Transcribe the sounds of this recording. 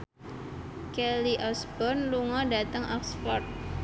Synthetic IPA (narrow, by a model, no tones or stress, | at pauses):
kɛliʔɔsbɔnluŋɔdat̪əŋʔɔksfɔrt̪̚